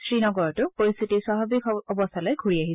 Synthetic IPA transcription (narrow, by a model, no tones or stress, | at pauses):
sɹinɔɡɔɹɔtʊpoɹist̪ʰitiswaɦabikɔbɔst̪ʰalɔjɡʱuɹiaɦiɛ